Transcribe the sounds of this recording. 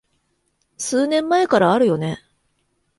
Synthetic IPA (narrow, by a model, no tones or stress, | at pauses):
sɨːnẽ̞mːaekaɾaːɾɯ̟jo̞ne̞